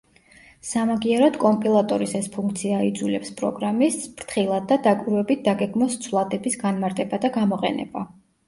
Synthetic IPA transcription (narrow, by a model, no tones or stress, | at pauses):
samaɡiɛɾɔd̪kʼɔmpʼilˠat̪ʼɔɾisɛspʰuŋkʰt̪sʰiaid̪zulɛpspʼɾɔ̰ɡɾamisb̥ɾt̪ʰχilˠad̪̚ːad̪akʼwiɾwɛbit̪̚ʰd̪aɡɛɡmɔst̪sʰvlˠad̪ɛbisɡanmaɾt̪ʼɛbad̪aɡamɔqʼɛ̰nɛ̰ba